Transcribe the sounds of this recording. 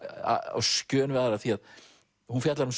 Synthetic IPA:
a̰a̰wscœːnvɪaðaɾaθiað | hunfjɛt̪laɾʏms

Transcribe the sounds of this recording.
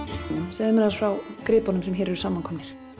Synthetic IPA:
nʏmsɛðmɛnasfɾawkɾɪːpɔnʏmsɛmçɛːɾɛɾʏsaːmːankʰɔmnɪɾ̥

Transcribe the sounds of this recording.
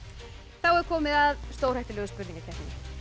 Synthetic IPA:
θawɛɾ̥kʰɔːmɪðaðst̪oːwr̥ajht̪ɪlœɣʏspʏɾnĩŋkɪt̪ʰɛhnɪn

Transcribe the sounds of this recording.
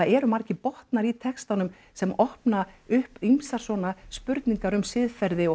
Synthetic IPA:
aɛɾʏmaɾ̥cɪpɔht̪naɾit̪ʰɛkst̪anʏm | sɛmɔhpnaʏhpimsaɾ̥sɔːnaspʏɾt̪niŋkaɾʏmsɪðfɛɾðɪɔ

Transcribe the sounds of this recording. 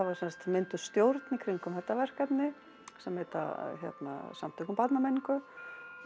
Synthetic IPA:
avaɾ̥sɛnst̪mɪnt̪ʏ̥st̪jowɾt̪nikʰɾiŋkʏmhɛt̪ːavɛr̥kvɛt̪nɪ | sɛmɛːt̪a̰çjɛ̰t̪na̰samt̪ʰœkʏmpat̪namejniŋkʏ

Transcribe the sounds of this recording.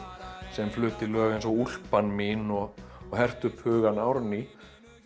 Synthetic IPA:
sɛmflʏːt̪ɪlœːɣɛnsɔɣul̥panmɪnɔɣːhɛr̥t̪ʏphʏːɣanawɾni

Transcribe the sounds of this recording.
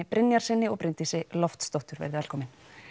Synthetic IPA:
ɪpɾʔɪnjaɾ̥sɪnːɪɔɣpɾɪnt̪isɪlɔft̪st̪owht̪ʏɾvɛ̰ɾðɪvɛlkʰɔːmɪn

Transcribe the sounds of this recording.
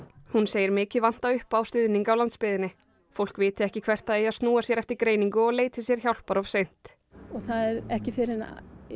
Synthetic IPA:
hunseːjɪɾmɪːcɪvan̥t̪aʏhpawst̪ʏðniŋkawlant̪spɪðɪnɪ | fowl̥kvɪːt̪ɪɛhcɪkʰvɛr̥t̪aðeːjaðst̪nuːasjɛɾɛft̪ɪɾkɾeːjniŋkʏɔɣleːjt̪ɪsjɛɾ̥çawlpaɾɔv̥sejn̥t̪ | ɔɣθaðɛɾɛhcɪfɪɾɪna

